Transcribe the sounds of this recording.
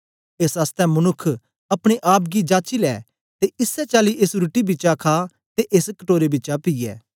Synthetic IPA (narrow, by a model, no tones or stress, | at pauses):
eːsast̪ɛmɐnʊkʰː | ɐpɽ̃eʔaːp̚ɡid͡ʒaːt͡ʃilɛ̰ː | t̪eʔɪsːɛt͡ʃaːliʔɪsɾuʈibɪt͡ʃakʰaː | t̪eʔeskəʈoːɾebɪːt͡ʃapiːjɛ̰ː